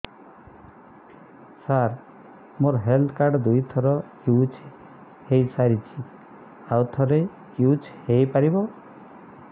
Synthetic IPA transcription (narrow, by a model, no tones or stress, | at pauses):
saɾ | moɾɦeld̪kaɾɖd̪ujt̪ʰɔɾɔkuːt͡ʃʰ | hejsaɾit͡ʃʰi | awt̪ʰɔɾej | kjut͡ʃʰhejpaɾibɔ